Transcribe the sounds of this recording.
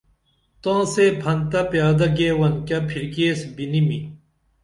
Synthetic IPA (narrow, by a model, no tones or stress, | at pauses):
t̪ãːseːpʰɐnt̪ɐpjaːd̪ɐɡeːwɐnkʲɐpʰiɾkeːsbinimi